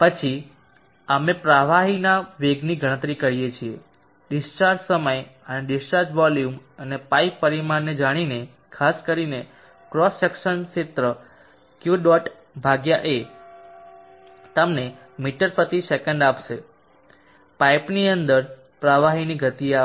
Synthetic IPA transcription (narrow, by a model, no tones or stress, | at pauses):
pət͡ʃʰi | amepɾaʋaɦinaʋeɡniɡʱəɽ̃ət̪ɾikəɾijet͡ʃʰie | ɖɪst͡ʃaɾsəməjəneɖɪsʈaɾd͡ʒʋɔljumənepaipːəɾimanːed͡ʒaɽ̃ine | kʰaskəɾine | kɾɔsɛkʃənʃɪt̪ɾə | kjuɖɔʈ | bʱaɡjaʔe | t̪əmne | miʈəɾpət̪isekəɳɖapʃe | pajpniənd̪əɾ | pɾaʋaɦiniɡʱət̪ia